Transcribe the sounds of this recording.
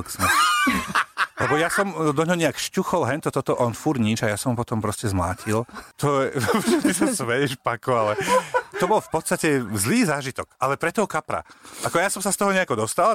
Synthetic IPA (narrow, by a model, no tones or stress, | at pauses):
ksmɛ | lɛbɔjasɔmd̪ɔɲɦɔɲɛakʃcuxɔlɦɛnt̪ɔt̪ɔt̪ɔʔɔnfuɾɲit͡ʃajasɔmɦupɔt̪ɔmpɾɔscɛzmla̰ːcʰilt̪ɔɛʒɛt̪isasʋɛjɛʃpakɔalɛt̪ɔbɔlfpɔt̪st̪acɛzliːzaːʒit̪ɔkalɛpɾɛt̪ɔɦɔkapɾa̰ʔakɔjasɔmsast̪ɔɦɔɲɛakɔd̪ɔst̪al